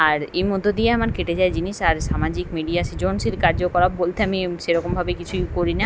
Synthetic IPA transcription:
aɾejmod̪ʱːod̪ieamaɾkeʈed͡ʑaed͡ʑiniʃaɾʃamad͡ʑikmiɖijasid͡ʑonsilkaɾd͡ʑokɔɾabbolt̪ʰeamiʃeɾɔkombʱabekit͡ɕʰuikoɾina

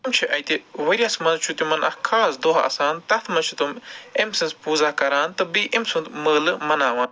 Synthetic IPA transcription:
mt͡ʃʰiʔɐjt̪iʋɐɾʲasmɐnzt͡ʃʰut̪ʲumɐnɐ̰kʰaːsd̪oɦɐ̰saːnt̪ɐt̪ʰmɐnt͡ʃʰu̥t̪umemsɐnspuːzaːkɐɾaːnt̪ɨbiʔemsunt̪məːlɨmɐnaːʋɐːn

